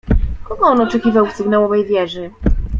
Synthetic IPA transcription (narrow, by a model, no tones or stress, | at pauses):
kɔɡɔɔnɔt͡ʂɛkʲivawfsɘɡnawɔvɛjvʲjɛʐɘ